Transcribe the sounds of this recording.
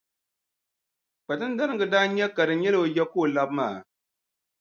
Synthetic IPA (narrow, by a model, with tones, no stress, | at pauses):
k͡pa˨tɨ˦n˦da˦nɨ˦ɡɨ˨daː˦ɲɛ˦ka˨dɨ˨ɲɛ˦lɨ˨jɛ˦koː˦˨la˦bmaː˦˨